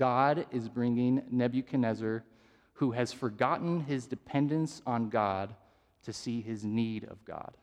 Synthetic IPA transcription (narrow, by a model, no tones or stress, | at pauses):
ɡ̥ɑɾɪzbɹɪ̃ŋɪ̃ŋnɛbjɨkʰɨnɛzə˞ | huɨz̥fə˞ɡɑʔn̩ɪzdɨpʰɛ̃ndɨ̃nsn̩ɡɑd̚ | tʰɨsiɪzniɾʌ̰vɡɑ̰d̥